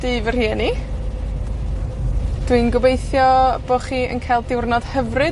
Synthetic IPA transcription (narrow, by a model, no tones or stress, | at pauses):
d̥iːvər̥hiɛːni | d̥winɡʊbejθjɔb̥oχiːə̰nkʰajlˠdɪwrnɔd̥həvrɨ